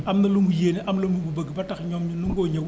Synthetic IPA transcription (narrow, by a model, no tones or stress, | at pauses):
amnɐluŋɡujeniʔamlomuɡubaɡbatakɲɔmɲunuŋɡoɲe